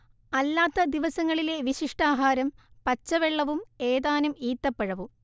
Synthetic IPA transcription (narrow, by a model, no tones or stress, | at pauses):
ɐlːaːt̪ːɐd̪iʋɐsɐŋːɐɭile̞ʋiɕiʂʈaːɦaːɾɐmpɐt͡ɕːɐʋeɭːɐʋumeːðaːnumiːt̪ːɐpːeɻɐʋu